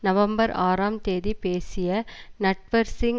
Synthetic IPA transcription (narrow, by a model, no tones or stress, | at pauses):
nɐʋɐmbɐɾaːɾaːmt̪eːðipeːsɪjɐnɛʈʋɐɾsɪŋ